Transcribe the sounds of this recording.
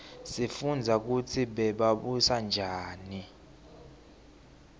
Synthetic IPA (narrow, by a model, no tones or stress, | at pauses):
sifund͡zʱak̬ut͡sʰiɓɛɓaɓusand͡ʒʱaːni